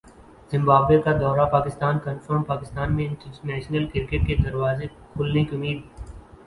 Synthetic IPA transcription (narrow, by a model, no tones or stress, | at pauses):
z̥ɪ̃mbaːbwekad̪ɔːɾapaːkɪst̪aːnkɐ̃nfəɾmpaːkɪst̪aːnmẽɪ̃ɳʈʈnɛːʃnəlkɪɾɪkeʈ̚ked̪ɐɾwaːze | kʰʊlnekiʊmiːd̪